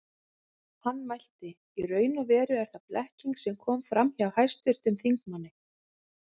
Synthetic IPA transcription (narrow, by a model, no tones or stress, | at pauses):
hanːmajl̥t̪ɪ | irœːɥnʏvɛːɾʏɛɾ̥θaplʔɛhciŋksɛmkʰɔːmfɾamhiawhajst̪vɪɾ̥t̪ʏmθiŋkmanːɪ